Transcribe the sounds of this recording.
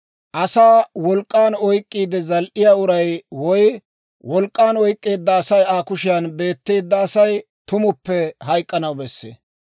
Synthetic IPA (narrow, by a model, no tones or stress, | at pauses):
ʔɐsaːwɔlkʼːaːnɔjkʼːiːd̪ɛzɐlʔɪjaːʊɾɐjwɔj | wɔlkʼːaːnɔjkʼːe̞ːd̪ːɐːsɐjaːkʊʃɪjɐnbe̞ːt̪ːe̞ːd̪ːɐːsɐj | t̪ʊmʊpːɛɦɐjkʼːɐnɐwbɛsːḛː